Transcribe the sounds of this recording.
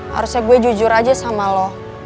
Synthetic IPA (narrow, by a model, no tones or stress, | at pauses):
ha̰ɾusjaɡuɛd͡ʒud͡ʒʊɾad͡ʒasamalɔh